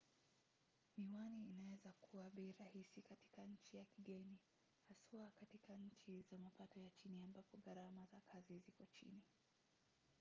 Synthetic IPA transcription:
niwaniinawɛzakuwaɓɛɾahisikati̥kaɲ̩t͡ʃijakiɠɛni | hasuakatikaɲ̩t͡ʃizamapatɔjat͡ʃiniambapɔɠaɾamazakʰazizikɔt͡ʃḭni

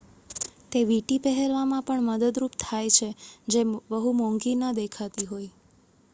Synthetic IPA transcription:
t̪eʋiʈipɛɦɛlʋamãpəɳməd̪əd̪ɾupt̪ʰajt͡ʃʰed͡ʒeʋəɦumɔ̃ŋɡinəd̪ekʰat̪iɦoj

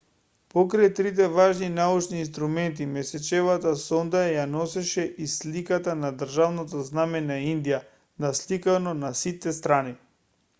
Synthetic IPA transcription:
pɔkɾajt̪ɾit̪̬ɛvaʒninaut͡ʃniːnst̪ɾumɛnt̪imɛsɛt͡ʃɛvat̪asɔnd̪ajanɔsɛʃɛʔislikat̪anad̪r̩ʒavnat̪aznamɛnaind̪ija | naslikanɔnasit̪ɛst̪ɾani

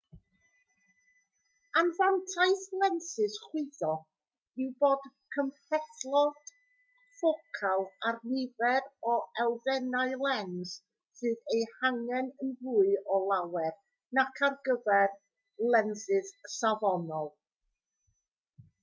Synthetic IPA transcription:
anvantʰaɨθlˠɛnsɨsχwɪðɔ | ɪwboːd̥kʰəmfɛθlˠɔd̥ | fokʰalˠarnɪvɛɾɔɛlˠðɛnaɨlˠɛns | sɨːðejhaŋɛnənvʊɨɔlˠawɛr | nakʰarɡəvɛr | lˠɛnsɨð̥savɔnɔlˠ

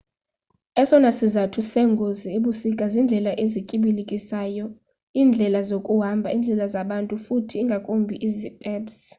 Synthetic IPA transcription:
ɛsɔnasizatʰusɛŋɡʱozieɓusikʼazind͡ɮʱɛlaʔezicʼiɓilikʼisaːjɔ | iːnd͡ɮʱɛlazokʼuɦambʱaind͡ɮʱɛlazaɓantʼufutʰiːŋɡʱakʼombʱiʔizitʼɛːɓs

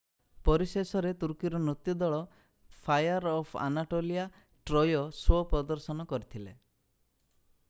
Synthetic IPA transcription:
pɔɾisesɔɾet̪uɾkiɾɔnot̪jud̪ɔɭɔ | pʰajaɾɔpʰa̰naʈolija | ʈɾɔjɔswɔpɾɔd̪ɔɾsɔnɔkɔɾit̪ʰilḛ

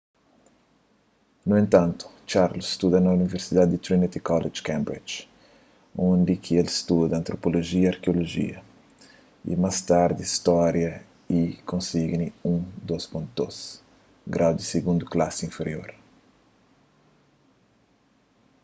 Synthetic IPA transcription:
nuẽnt̪ɐ̃nt̪ʊ̥t͡ʃaɾlosst̪ud̪ɐnɐuniveɾsid̪ad̪̚d̪it̪ɾinit̪ikɔled͡ʒkɛ̃mbɾḭd͡ʒ | õnd̪ikʰielst̪ud̪ɐɐ̃nt̪ɾopoloʒiɐɐɾkeoloʒḭɐ | ḭmast̪aɾd̪iist̪ɔɾjɐ | ikõnsiɡniũd̪ospõnt̪d̪os | ɡɾawd̪iseɡũnd̪uklasĩfeɾio̰ɾ

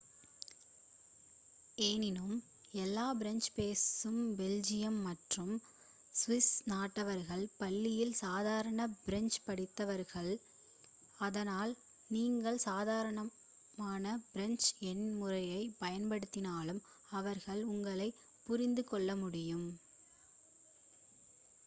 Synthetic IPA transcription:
eːnɪnɯm | ɛlːaːbɪɾɛnd͡ʒpeːsɯmbɛld͡ʒɪjɐmːɐʈrɯm | sʋɪsnaːʈːɐʋɐɾɣɐɭpɐɭːɪjɪlsaːðaːɾɐɳɐbɪɾɛnd͡ʒpɐɽɪt̪ːɐʋɐɾɣɐɭ | ɐðɐnaːl | niːŋɡɐɭsaːðaːɾɐɳɐ | maːnɐb̥ɪɾɛnt͡ʃɛnmʊrɐjɐɪpɐjɐnpɐɽɯt̪ːɪnaːlɯm | ɐʋɐɾɣɐɭʊŋɡɐɭɐɪ | pːʊɾɪnd̪ɯkɔɭːɐmʊɽɪjɯm

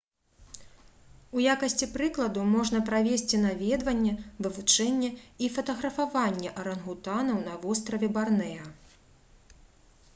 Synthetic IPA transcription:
ujakɐsʲt͡sʲipɾɨklˠɐd̪umɔʐn̪ɐpɾavʲesʲt͡sʲin̪avʲɛd̪vɐnʲːɛvɨvut͡ʂɛnʲːɛifɐt̪ɐɣɾɐfavanʲːɛʔɐɾɐnɣut̪anɐwnɐvɔst̪ɾɐvʲɛbarnɛjɐ

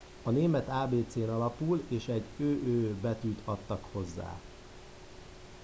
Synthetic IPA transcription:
ɒneːmɛt̪aːbeːt̪seːnɒlɒpuːleːʃɛɟøːʔøːbɛt̪yːt̪ʰɒt̪ːɒkho̞zːa̰ː

